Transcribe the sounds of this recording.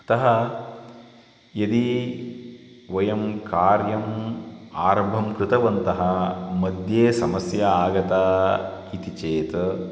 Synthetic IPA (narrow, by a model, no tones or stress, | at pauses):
t̪ɐɦɐ | jɐd̪i | ʋɐjɐmkaːɾjɐm | aːɾɐmbʱɐmkɾɪt̪ɐʋɐnt̪ɐɦɐmɐd̪ʱjeːsɐmɐsjɐaːɡɐt̪aːit̪it͡ʃeːt̪ɐ